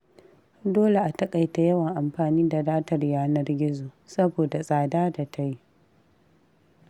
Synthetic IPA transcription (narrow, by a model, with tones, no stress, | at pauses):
doː˦le˨ʔa˨tɐ˦kʼa˨jta˨jɐ˦wɐ˨ŋʔa˨mɸaː˨niː˦da˨daː˦tɐ˨rjaː˦nɐ˦rɡʲɪ˦zoː˨sɐ˦boː˨da˨sʼaː˨daː˦da˨tʰa˦ji˦